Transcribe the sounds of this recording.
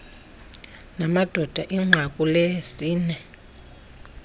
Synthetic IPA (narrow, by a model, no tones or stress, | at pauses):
namad̥ʱɔd̥ʱaʔiŋ͡ǁʱakʼulesiːnɛ